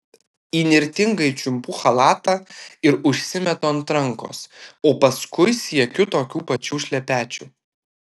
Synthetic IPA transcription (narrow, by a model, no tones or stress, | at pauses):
iːnʲɪɾʲt̪ʲɪŋɡɐɪt͡ʃʲʊmpuxɐlˠɑːt̪ɑːɪɾʊʃʲsʲɪmʲɛt̪oːɐnt̪ɾɐŋko̰ːsoːpɐskʊɪsʲiɛkʲʊt̪oːkʲuːpɐt͡ʃʲuːʃʲlʲɛpʲæːt͡ʃʲṵː